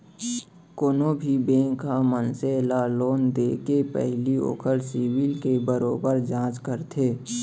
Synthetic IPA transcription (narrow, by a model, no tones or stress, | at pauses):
koːnobʱibẽːŋkːamənselaːloːnd̪eːkepɛ̰ɦlio̰ːkʰəɾsiwɪlkebəɾoːbəɾd͡ʒãːt͡ʃkəɾt̪ʰeː